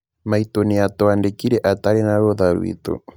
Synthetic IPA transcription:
mait̪oniat̪oandekiɾɛʔat̪aɾenaɾoðaɾw̰ḭt̪o̰

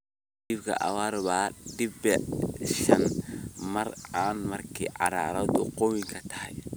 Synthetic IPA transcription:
dɪbkʰɐ̰ʔɐ̰waːɾβaːɖɪbɛʃɐnmɐraːnmɐrkʰiːʕɑ̰ɾa̰ːɾɐd̪ʊqɔwɪŋkʰɐt̪ʰɐ̥hɛ̰j

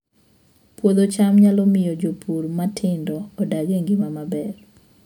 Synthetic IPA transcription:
pwod̪ot͡ʃamɲalɔmɪjɔd͡ʒopʰuɾmatʰɪndɔːdaɡeŋɡimamabɛr

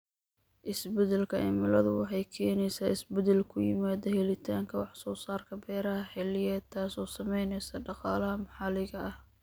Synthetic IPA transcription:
ʔɪsbɛðɛlkʰɐʔɛ̰mɪlɐðʊwɑħɑjkʰɛːnɛjsaːɪsbɛðɛlkʰʊjɪ̰maːðɐhɛlɪt̪ʰaːŋkʰɐwɑħsɔːsaːrkʰɐbɛːɾɐɦɐħɛlɪjɛːt̪ʰaːsɔːsɐmɛjnɛjsɐɖɑqɑːlɐhɐmɐħɑlɪɣɐʔɐh

